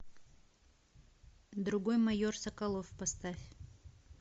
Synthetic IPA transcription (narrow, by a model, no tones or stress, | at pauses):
d̪ɾʊɡojmɐjorsɐkɐlˠofpɐst̪afʲ